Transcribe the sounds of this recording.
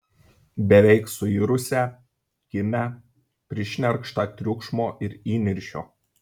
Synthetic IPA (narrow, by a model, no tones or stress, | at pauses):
bʲɛʋʲɛɪksʊiɾʊsʲɛ | kʲɪmʲæ | pʲɾʲɪʃʲnʲɛɾkʃt̪ɑt̪ʲɾʲʊkʃmoːʔɪɾiːnʲɪɾʲʃʲoː